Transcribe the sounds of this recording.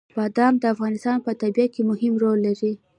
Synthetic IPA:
bɑd̪ɑmd̪əafɣɑnɪst̪ɑnpət̪abijakemʊhɪmɾolːaɾi

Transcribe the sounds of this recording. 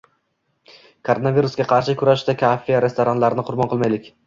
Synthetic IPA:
kʰoɾo̞naviɾusɡʲaqʰɑɾʃɪkʰʊɾaʃd̪akʲʰafːiaɾe̞st̪oɾanlaɾɪnɪqʰʊɾbɒnqɨlˠmajlɪkʲ

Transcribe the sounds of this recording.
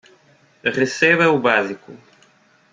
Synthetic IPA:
ʁeseβɐubaziku

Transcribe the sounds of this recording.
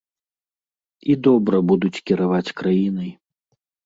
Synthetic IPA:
id̪ɔbɾɐbud̪ut͡sʲkʲiɾavat͡sʲkɾajinɨj

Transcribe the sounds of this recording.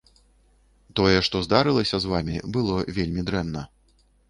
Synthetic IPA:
t̪ɔjɛʂt̪ɔzd̪aɾɨlˠɐsʲɐzvamʲibɨlˠɔvʲelʲmʲid̪ɾɛnːɐ

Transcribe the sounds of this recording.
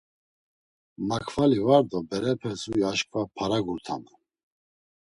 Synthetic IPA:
makʰvalivaɾd̪ɔbɛɾɛpʰɛzuiaʃkʼvapʰaɾaɡuɾt̪ʰa̰na

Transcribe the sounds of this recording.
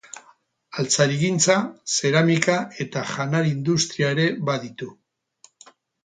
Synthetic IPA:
alt͡saɾiɣint͡sase̞ɾamikaʔe̞t̪aʝanaɾind̪ust̪ɾiaeɾe̞βaðit̪u

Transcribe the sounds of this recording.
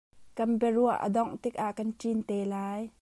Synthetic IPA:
kɐnpɛruəʔə̰d̪ɔŋʔt̪ɪk̚ʔaʔkɐnʈ͡ʂint̪ɛːlaːj

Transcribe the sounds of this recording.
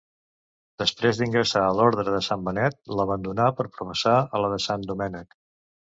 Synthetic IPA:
d̪əspɾezd̪iŋɡɾəsaəloɾðɾəðəsambənɛt̪̚ləβənd̪unapəɾpɾufəsaələðəsand̪umɛnək

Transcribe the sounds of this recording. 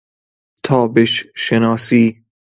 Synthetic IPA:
t̪ʰɒːbeʃʃenɒːsiː

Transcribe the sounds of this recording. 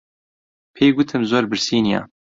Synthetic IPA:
pʰeːɡʷɨt̪ʰɨmzoːɾbɨɾsiːnija̰ː

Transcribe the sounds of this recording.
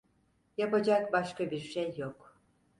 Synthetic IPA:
japad͡ʒakbaʃkabiɾʃejːok

